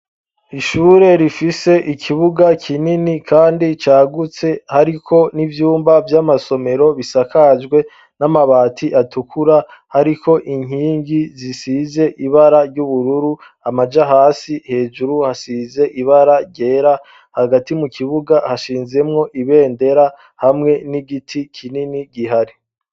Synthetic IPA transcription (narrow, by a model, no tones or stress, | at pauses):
iʃuːɾe̞ɾifise̞ʔikʰiβuɡakʰininikʰaːndit͡ʃaːɡut͡se̞haɾikʰo̞nivjuːmbavjamaso̞me̞ɾo̞βisakad͡ʒɡwe̞ | namaβaːtʰiʔatukʰuɾahaɾikʰo̞ʔiŋ̥ɦiːŋɡizisiːze̞ʔiβaɾaɾɟuβuɾuɾu | amad͡ʒaɦaːsihe̞ːd͡ʒuɾuhasiːze̞ʔiβaɾaɾɟe̞ːɾa | haɡatimukʰiβuɡahaʃiːnze̞mŋo̞ʔiβe̞ːnde̞ɾa | hamŋe̞niɡitʰikʰininiɡiɦaɾi